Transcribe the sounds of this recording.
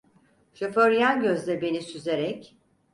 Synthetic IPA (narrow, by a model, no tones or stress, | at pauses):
ʃøføɾjanɟøzdlʲɛbe̞nisyze̞ɾɛc